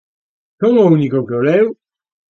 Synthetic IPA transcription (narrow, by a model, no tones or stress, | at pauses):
komounikokeolɛu